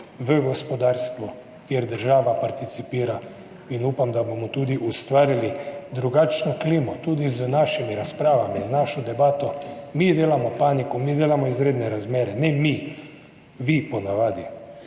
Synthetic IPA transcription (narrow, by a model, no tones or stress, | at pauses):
ʋəɡɔspɔd̪aːɾst̪ʋɔ | kjeɾd̪əɾʒaːʋapaɾt̪it̪sipiːɾa | inuːpamd̪abomɔt̪uːd̪iʔust̪ʋaːɾilid̪ɾuɡaːt͡ʃnɔkliːmɔt̪uːd̪iznaːʃimiɾaspɾaːʋamiznaʃɔd̪ɛbaːt̪ɔmid̪eːlamɔpaːnikumid̪eːlamɔizɾeːd̪nɛɾazmeːɾɛnɛmi | ʋipɔnaʋaːd̪i